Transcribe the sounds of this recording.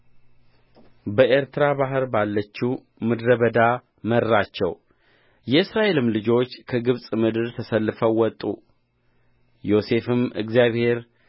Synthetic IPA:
bəʔeɾt̪ʰɨɾabaɦɨɾbalːət͡ʃːu | mɨd̪ɾəβəd̪a | mərːat͡ʃːɛ̰w | jɛɨsɾaʔe̞lɨmlɨd͡ʒo̞t͡ʃːkʰəɡɨβsʼmɨd̪ɨɾt̪ʰəsəlːɨfəwːɔt̪ʼːṵ | jo̞se̞fɨmɨ̰ɡzijaβhe̞ɾ

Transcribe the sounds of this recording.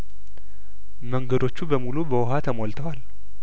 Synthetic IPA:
məŋɡəd̪o̞t͡ʃːubəmulubəwɔɦat̪ʰəmolt̪ʰəwal

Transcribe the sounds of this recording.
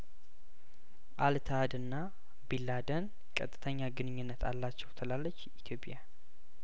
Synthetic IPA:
ʔalt̪ʰad̪ɨnːa | bilːad̪ən | kʼət̪ʼːɨt̪ʰəɲːaɡɨnɨɲːɪnːət̪ʰa̰lːat͡ʃːɛwt̪ʰəlalːət͡ʃːit̪ʰjo̞pʼja

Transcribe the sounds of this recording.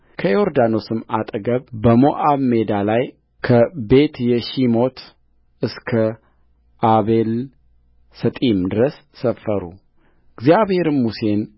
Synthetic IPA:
kʰəjoɾd̪ano̞sɨmat̪ʼɡəβbəmo̞ʔaβme̞d̪alaj | kʰəbe̞t̪jɛʃimo̞t̪ʰ | ʔɨskʰə | ʔaβe̞l | sət̪ʼimd̪ɨɾəsːəfːəɾṵ | ɨɡzjaβhe̞ɾɨmːuse̞n

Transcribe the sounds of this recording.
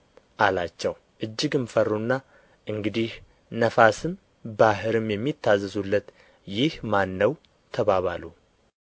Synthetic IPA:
ʔalat͡ʃːɛw | ʔɨd͡ʒːɪɡɨmfərːunːa | ʔɨŋɡɨd̪ih | nəfasɨm | bahɨɾɨmjɛmːit̪ʰːazəzulːət̪ | jɪhmanːəw | t̪ʰəβaβa̰lu

